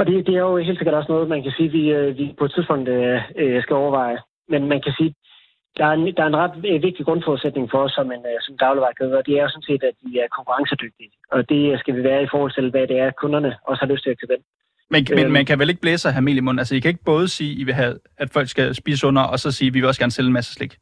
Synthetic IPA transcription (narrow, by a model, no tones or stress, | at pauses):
ɒ̽d̥e̝d̥e̝æɐjo̝he̝̰lseɡ̥ɐd̥ɒ̽snɔ̽ːð̩ˠmænkʰæsiːʋiʋipʰɒ̥t͡sʰiðˠb̥ɔ̽ŋ̰d̥øsɡ̥æɒʊɐʋɑ̈ɪ | menmænkʰæsiː | d̥ɑ̈æɐend̥ɑ̈ɐe̝nʁɑ̈d̥ʋe̝ɡ̥̚d̥iɡ̥ʁɔ̽n̰fɔːðˠsed̥̚ne̝ŋfɒ̽ɒsːɒ̽mensɒ̽mend̥ɑ̈ʊləʋɑ̈ɪkʰeð̩ˠɒ̽d̥e̝æɐjosɔ̽n̩se̝̰ːd̥æd̥ʋiæɐkʰɒ̽ŋkʰuʁɑ̈ŋsəd̥øɡ̥̚d̥i | ɒ̽d̥e̝sɡ̥æʋiʋæːɐifɒːhɒ̽l̰t͡sʰe̝lʋɛd̥e̝æɐkʰɔ̽nɐnəɒ̽səhɑ̈løsd̥t͡sʰe̝læ̥t͡sʰæben̰ | menmenmænkʰæʋele̝ɡ̥̚b̥leːsɑ̈ɦæme̝̰ljəmɔ̽n̰nælsəjikʰæeɡ̥̚b̥ɔ̽ːð̞ˠəsiːiʋe̝ɦæ | æd̥fɒl̰ɡ̥sɡ̥æsb̥ḭːsəsɔ̽n̰ɐʔɒ̽sɒ̽siːʋiʋe̝ɒsɡ̥æɐnselenmæsə̥sleɡ̥